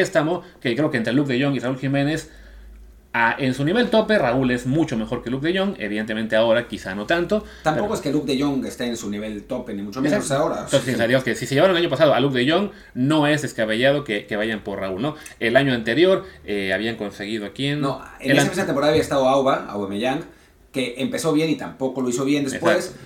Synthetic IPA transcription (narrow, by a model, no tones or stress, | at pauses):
est̪amo̞kekɾe̞okent̪ɾeluk̚ðeʝo̞ŋiraulximẽ̞ne̞s | aʔensuniβe̞lt̪o̞pe̞raule̞zmut͡ʃo̞me̞xo̞ɾkeluk̚ðeʝo̞ŋeβiðe̞nt̪emẽ̞nt̪eao̞ɾakisano̞t̪ant̪o̞ | t̪ampokoeskeluk̚d̪eʝoŋest̪eensuniβe̞lt̪openimut͡ʃomeoaoɾatt̪ossesesaðiamoskesiseʝe̞aɾoŋlaɲopasaðaluk̚ðeʝo̞ŋ | no̞ezðeskaβeʝað̞o̞keke̞βaʝampo̞ɾraulno̞e̞laɲo̞ant̪e̞ɾjo̞ɾeaβiaŋko̞nse̞ɣ̞ið̞oakiennoḛnesepeseat̪empɾaðaijaest̪aðoawβaa̰wβameʝaŋɡ | ke̞ʔempe̞so̞βje̞nit̪ampo̞ko̞loiso̞βje̞nd̪eepwes